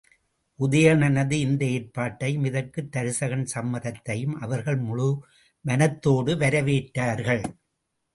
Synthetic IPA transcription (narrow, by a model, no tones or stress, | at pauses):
ʔʊðɐjɐnɐnɐðɯɪnd̪ɐeːɾpaːʈːɐɪjmɪðɐkːɯt̪ːɐɾɯsɐɣɐnsɐmːɐðɐt̪ːɐjɯmʔɐʋɐɾɣɐɭmʊɻʊ | ʋɐnɐt̪ːoːɽɯʋɐɾɐʋeːʈːaːɾɣɐɭ